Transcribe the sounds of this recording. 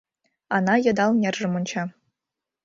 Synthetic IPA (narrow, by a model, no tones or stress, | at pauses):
ɑnɑjɤ̆d̪ɑlˠnʲerʐɘ̆mŏnʲt͡ɕʰɑ